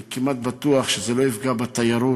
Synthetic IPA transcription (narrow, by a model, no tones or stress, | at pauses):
kimat̪̚bat̪uaχʃezelo̞ifɡabat̪ajaɾu